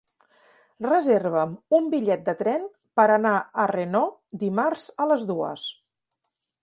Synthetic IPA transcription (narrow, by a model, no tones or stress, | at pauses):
rəzerβ̞əmumbiʎɛt̪̚d̪ət̪ɾɛn | pəɾənaərenod̪imaɾz̥ələzðuə̰s